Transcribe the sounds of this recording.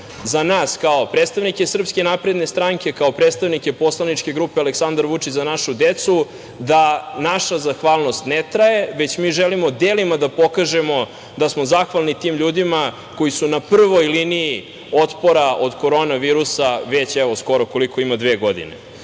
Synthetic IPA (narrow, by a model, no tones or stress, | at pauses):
zanaːskaopɾet̪st̪aʋnikesr̩pske̞napɾed̪ne̞st̪ɾaŋke̞kaopɾet̪st̪aʋnike̞po̞slanit͡ʂke̞ɡɾupealeksand̪aɾʋut͡ʂit͡ɕzanaʃud̪et̪su | d̪anaʃazaxʋaːlˠno̞st̪net̪ɾaje̞ʋe̞t͡ɕmiːʒelimo̞d̪eːlimad̪apo̞kaʒemo | d̪asmo̞zaxʋalˠnit̪iːmʎuːd̪ima | ko̞jisunapr̩ʋojlinii | ot̪po̞ɾaʔod̪ko̞ɾo̞naʋiːɾusaʋet͡ɕɛʋo̞sko̞ɾoko̞likʰo̞imad̪ʋeːɡo̞d̪ḭnḛ